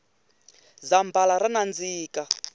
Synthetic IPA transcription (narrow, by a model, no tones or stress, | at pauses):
zambalaɾanand͡ziːka